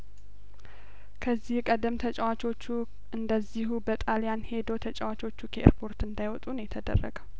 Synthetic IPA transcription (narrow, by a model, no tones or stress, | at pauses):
kʰəzːihkʼəd̪əmt̪ʰət͡ʃʼɛwat͡ʃo̞t͡ʃːu | ʔɨnd̪əziɦubət̪ʼaljanhe̞d̪owt̪ʰət͡ʃʼɛwat͡ʃʼo̞t͡ʃːukʰeʔḛɾpʰo̞ɾt̪ɨnd̪ajwɔt̪ʼunjɛt̪ʰəd̪ə̰rːə̰ɡəw